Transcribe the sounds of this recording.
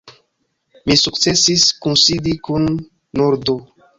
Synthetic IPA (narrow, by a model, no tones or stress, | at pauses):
misukt͡se̞siskunsidikunː | uɾdo